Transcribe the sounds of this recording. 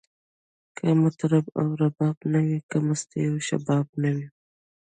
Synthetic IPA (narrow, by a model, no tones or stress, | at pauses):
kʰamʊt̪ɾaba̰wɾabɑbnawikamast̪ajawʃa̰bɑbnawi